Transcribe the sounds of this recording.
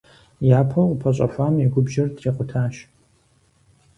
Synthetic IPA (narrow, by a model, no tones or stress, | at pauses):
jaːpʰɐwqʊpʰɐɕʼɐ̰fʷaːmiɡʷʊbʒɐrtʰriːqʷʼʊtʰaːʃ